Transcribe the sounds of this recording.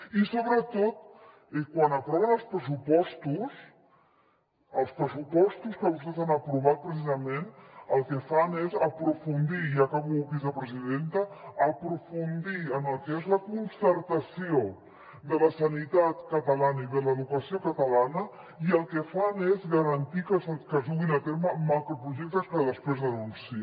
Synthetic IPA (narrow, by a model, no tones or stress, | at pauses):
isoβɾət̪ot̪̚ | ikwanəpɾɔβənəlˠspɾəs̬upɔst̪us | əlˠspɾəsupɔst̪uskəβust̪ɛzanəpɾuβat̪̚pɾəs̬izəmẽnəlˠkəfanezəpɾufund̪iakaβuβizəpɾəziðent̪əəpɾufund̪iənəlˠkəezləkunsəɾt̪əsio | d̪ələsənit̪at̪kət̪əlanəiðələðukəsiokət̪əlanə | iəlˠkɛfanezɣəɾənt̪ikəskəʒuɣinət̪eɾməmalˠkəpɾuʒek̚t̪əskəðəspɾezðənunsi